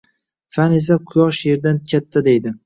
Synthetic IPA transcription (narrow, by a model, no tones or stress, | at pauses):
fane̞s̬aqʰʊjɒʃje̞ɾd̪ankʲʰat̪ʰːad̪e̞jd̪ɪ